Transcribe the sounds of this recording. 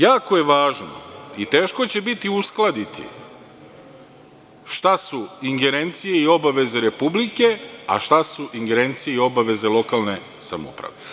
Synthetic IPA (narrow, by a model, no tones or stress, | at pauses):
jaːko̞je̞ʋaːʒno̰it̪e̞ːʃko̞t͡ɕe̞bit̪iusklˠad̪it̪ʰḭ | ʃt̪asuiŋɡe̞ɾe̞nt̪sije̞io̞baʋe̞ze̞ɾe̞publike̞a̰ʃt̪asuʔiŋɡe̞ɾe̞nt̪sije̞io̞baʋe̞ze̞lˠo̞kalˠne̞ | sa̰mṵpɾa̰ʋe̞